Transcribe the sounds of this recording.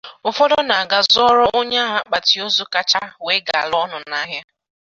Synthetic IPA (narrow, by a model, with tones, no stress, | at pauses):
ʊ˨fo˦do˦na˨a˨ɡa˨zɔ˦ɾɔ˦o˦ɲa˦ɦa˦k͡pa˨ti˨o˦zʊ˦ka˦t͡ʃa˦we˦ɡa˨a̰˨lɔ˦nʊ˨˦na˦ɦja˦